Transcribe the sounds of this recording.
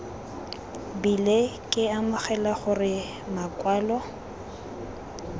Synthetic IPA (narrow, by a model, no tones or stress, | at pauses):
bilekʼɪamʊχɛlaχʊrɪ | makʼwaːlɔ